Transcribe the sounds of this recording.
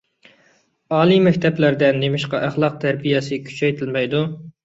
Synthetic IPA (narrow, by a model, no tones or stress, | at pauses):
ɑːlˠimɛkʲt̪ʰɛplæɾd̪ɛnːemɪʃqɑʔæχlˠɑq̚t̪ʰæɾbijɛsɪkʲʰy̥t͡ʃʰɛjt̪ʰɪlmɛjd̪u